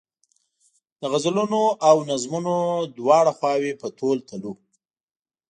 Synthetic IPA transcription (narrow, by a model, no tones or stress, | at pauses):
d̪̥əɣazlunoʔawnazmunod̪wɑɽaxwɑwepət̪olt̪ʰəlu